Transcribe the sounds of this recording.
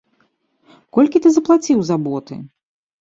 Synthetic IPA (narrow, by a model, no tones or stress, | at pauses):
kɔlʲkʲit̪ɨzɐplˠat͡sʲiwzabɔt̪ɨ̰